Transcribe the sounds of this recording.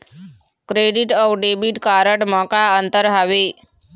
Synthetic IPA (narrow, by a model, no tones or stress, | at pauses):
kɾeɖiʈɔʋɖebiʈkaɾəʈmɔkaənt̪əɾɦaʋe